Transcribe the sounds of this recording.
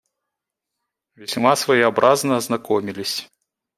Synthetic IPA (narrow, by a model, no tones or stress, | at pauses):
vʲɛsʲmasvɐjiabɾʔaznɐːznakɔmʲilʲisʲ